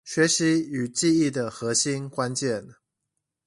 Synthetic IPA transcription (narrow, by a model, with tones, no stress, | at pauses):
ɕɥɛ˨˦ɕi˨˦y˨˩t͡ɕi˥˧i˥˩d̪ə˨xɤ˨˦ɕi˦nkwa˦nt͡ɕjɛ˥˨n